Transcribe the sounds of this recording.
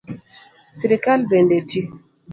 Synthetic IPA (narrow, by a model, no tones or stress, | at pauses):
siɾikalbendetʰi